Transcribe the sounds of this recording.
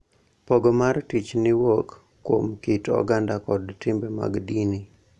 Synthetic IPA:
pɔɡɔmartit͡ʃnɪwokː | womkitɔ̰ɡandakɔdtɪmbɛma̰ɡdini

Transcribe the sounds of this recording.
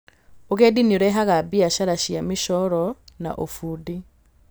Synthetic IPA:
oɣɛdinioɾɛɦaɣabiaɕaɾaɕjameʃɔɾɔna̰ʔofuːdi

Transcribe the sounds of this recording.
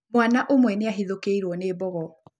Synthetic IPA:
mwanaʔomwɛneaɦiðokeiɾwɔneːbɔɣɔ

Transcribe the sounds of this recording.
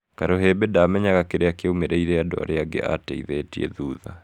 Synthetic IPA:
kaɾoɦebedamɛɲaɣakeɾeakeumeɾeiɾɛado̰a̰ɾeaɡḛʔa̰tɛḭðɛtiḛðuːða̰

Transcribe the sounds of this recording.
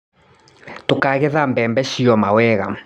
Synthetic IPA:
tokaɣɛðambɛmbɛʃiɔmawɛɣa

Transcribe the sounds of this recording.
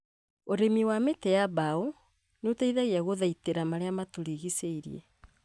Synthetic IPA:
oɾemiwametɛjaβao | notaiðaɣeaɣoðaiteɾamaɾeamatuɾiɣiseiɾj̰e

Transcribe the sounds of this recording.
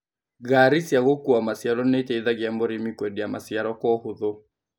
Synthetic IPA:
ɣaɾisjaɣokuamasiaɾɔnetɛiðaɣɪambɔɾimikwɛdiamasiaɾɔkɔhʊðo

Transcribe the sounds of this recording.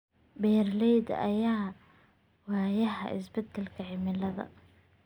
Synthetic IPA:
bɛːrlɛjd̪ɐ̰jaː | waːjɐɦɐ̰ɪ̰sbɛd̪ɛlkʰɐʕɪmɪlɐðɐ̰

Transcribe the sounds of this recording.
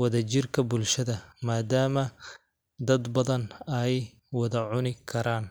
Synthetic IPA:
wɐðɐt͡ʃɪrkʰɐbʊlʃɐðɐmaːd̪aːmɐ | d̪ɐd̪bɐðɐnɐj | wɐðɐʕʊnɪkʰɐɾaːn

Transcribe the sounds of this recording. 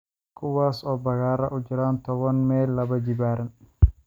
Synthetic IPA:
kʰʊwaːsɔbɐɣaːɾɐʔʊd͡ʒɪɾaːnt̪ɔβɔnmeːlːɐbɐd͡ʒɪbaːɾɐn

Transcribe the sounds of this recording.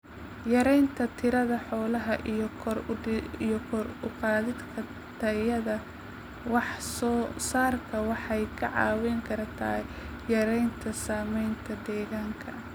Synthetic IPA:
jɐɾɛjnt̪ʰɐt̪ʰɪɾɐðɐħɔːlɐɦɐʔijɔkʰɔɾijɔkʰɔɾʊqɑːðɪd̪kʰɐ | t̪ʰɐjɐðɐ | wɑħsɔːsaːrkʰɐwɑħɑjkʰɐ̰ʕɑ̰ːwɛŋkʰɐɾɐt̪ʰɐ̰ː | jɐɾɛjnt̪ʰɐsaːmɛjnt̪ʰɐd̪ɛːɣaːŋkʰɐ

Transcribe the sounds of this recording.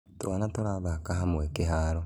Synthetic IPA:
toanatoɾaβakaɦamuekiɦaːɾo

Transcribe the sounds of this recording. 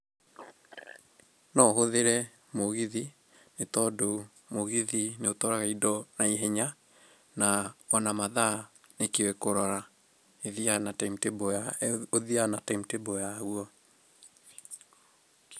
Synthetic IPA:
nɔɦoðeɾɛ | moɣiði | netɔdo | moɣiðineotɔɾaɣaidɔnaiɦɛɲa | naɔnamaðanekewɛkoɾɔɾa | eðianatamtebɔaoðianataimtebɔjaɣuɔ

